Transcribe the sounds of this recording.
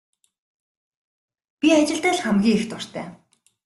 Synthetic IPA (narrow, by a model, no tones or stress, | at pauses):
pʲiat͡ɕɪ̆ɮt̪æːɮχæmɡʲiːext̪ʊr̥t̪ʰæ̰ː